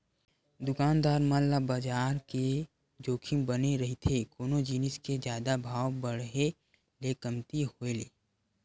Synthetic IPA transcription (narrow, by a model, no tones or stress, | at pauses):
d̪ʊkaːnd̪aːɾmallabad͡ʒaːɾke | d͡ʒoːkʰimbəneɾɐɦit̪ʰekoːnod͡ʒinɪsked͡ʒjaːd̪abʱaːwbəɽɦe | lekəmt̪iɦoeleː